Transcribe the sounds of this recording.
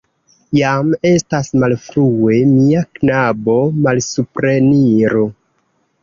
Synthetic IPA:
jame̞stasmalfɾue̞miaknabo̞malsupɾe̞niɾo

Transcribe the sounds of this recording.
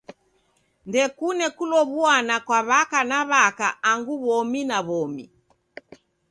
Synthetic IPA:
ndɛkunɛkulɔβuanakwaβakanaβakaaŋɡuβɔminaβɔmi

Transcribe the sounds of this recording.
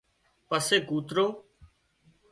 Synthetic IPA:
pəseːɡuːt̪ɾoː

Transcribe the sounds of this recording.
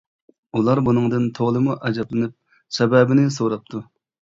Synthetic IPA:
ulˠɑɾbunɨŋd̪ɨnt̪ʰoʁlˠɨmuʔɛd͡ʒɛplɪnɪp̚ | sɛbɛːbɪnɪsoɾɑp̚t̪ʰu

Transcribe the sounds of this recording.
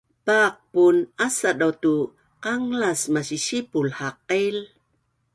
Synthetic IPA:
paq̚punasadawtu | qaŋlasmaɕiɕipulhaqil

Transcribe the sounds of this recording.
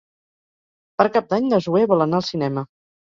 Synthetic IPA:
pəɾkap̚d̪aɲd̪əʒueβɔlənaəlˠsinɛmə

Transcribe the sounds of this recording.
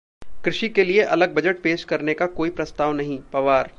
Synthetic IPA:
kɾɪʃikelieʔɐləɡ̚bɐd͡ʒəʈ̚peːʃkɐɾnekakoːipɾɐst̪aːʋnɐɦĩpɐʋaːɾ

